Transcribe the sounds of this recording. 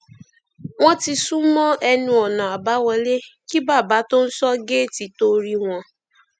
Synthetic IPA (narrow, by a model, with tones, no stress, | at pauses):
wɔ̃˦ti˧su˦mɔ̃˦ɛ˦nũ˦ɔ˨nɔ̃˨a˨ba˦wɛ˧le˦ki˦ba˦˨ba˨˦to˦n̩˦sɔ˦ɡe˦˨ti˨to˦ɾi˦ŋɔ̃˧